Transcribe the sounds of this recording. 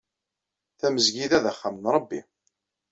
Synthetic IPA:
θæməzʝiðæðəχːamənɾˤɑbːi

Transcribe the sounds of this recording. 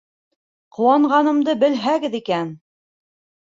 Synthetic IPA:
qŏwɑɴʁɑnɤ̆md̪ɤbɘ̆lɦæɡɘðikæn

